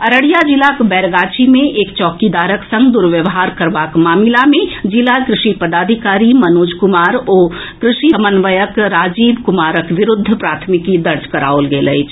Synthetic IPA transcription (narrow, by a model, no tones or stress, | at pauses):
ɐɾəɽijad͡ʒɪlakbɛːɾɡaːt͡ʃimẽʔeːkt͡ʃɔːkid̪aːɾəksɐ̃ŋɡd̪ʊɾʋjəʋɦaːɾkɐɾʋaːkmaːmɪlamẽd͡ʒɪlakɾɪʃipɐd̪aːd̪ʱɪkaːɾimɐnoːd͡ʒkʊmaːɾɔːkɾɪʃiɐmənʋəjəkɾaːd͡ʒiːbkʊmaːɾəkʋɪɾʊd̪ʱːpɾaːt̪ʰmɪkːid̪ɐɾd͡ʒkɐɾa̰ːolɡeːlɐet͡ʃʰ